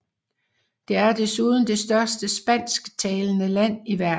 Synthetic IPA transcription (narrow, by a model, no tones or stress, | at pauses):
d̥e̝æɐd̥esuːðˠn̩d̥e̝sd̥ɶɐsd̥əsb̥æn̰sɡ̥t͡sʰɛːlənəlæn̰iʋæɐ